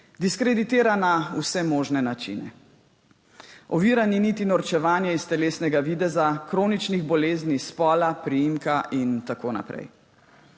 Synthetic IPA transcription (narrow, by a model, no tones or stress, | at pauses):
d̪iskɾɛd̪it̪eːɾanausɛmoːʒnɛnat͡ʃḭnɛ̰ | ɔʋiːɾaninit̪inɔɾt͡ʃɛʋaːnjɛist̪ɛleːsnɛɡaʋid̪ɛzakɾoːnit͡ʃniɣbɔleːznispɔːlapɾijimkaʔint̪akoːna̰pɾɛ̰j